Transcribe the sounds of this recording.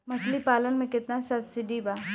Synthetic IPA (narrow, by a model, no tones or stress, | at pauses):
mɐslipaːlənmẽkɪt̪nasɐbsɪɖibaː